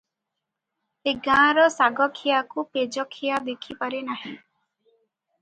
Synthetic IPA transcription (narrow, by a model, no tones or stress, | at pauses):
eɡãːɾɔsaɡɔkʰijakuped͡ʒɔkʰijad̪ekʰipaɾenaɦĩ